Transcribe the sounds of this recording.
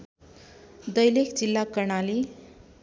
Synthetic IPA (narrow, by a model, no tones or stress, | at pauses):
d̪ʌjlekʰd͡zilːakʌrɳali